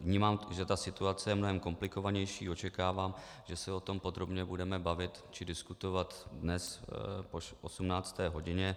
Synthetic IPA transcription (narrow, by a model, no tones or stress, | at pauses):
vɲiːmaːmʒɛt̪asɪt̪uat͡sɛjɛmnoɦɛmko̞mplɪko̞vaɲɛjʃiːo̞t͡ʃɛkaːvaːm | ʒ̥ɛsɛo̞t̪o̞mpo̞d̪ɾo̞bɲɛbudɛmɛbavɪt̪t͡ʃɪdɪskut̪o̞vat̪dnɛspoʔosumnaːt͡st̪ɛːɦo̞ɟɪɲɛ